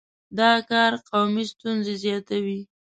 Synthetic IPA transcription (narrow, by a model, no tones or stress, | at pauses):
d̪ɑkɑɾqawmist̪unzezjɑt̪awi